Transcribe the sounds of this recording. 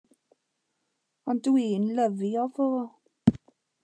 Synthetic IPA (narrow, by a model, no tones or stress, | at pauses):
ɔndwiːnləviɔvoː